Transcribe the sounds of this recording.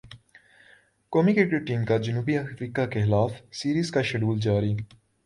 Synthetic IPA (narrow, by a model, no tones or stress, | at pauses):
koːmiːkekeʈiːmkad͡ʒənuːbiəxɾiːkakeɦɪlaːfʰsiːɾiːzkaʃəɖuːld͡ʒaːɾiː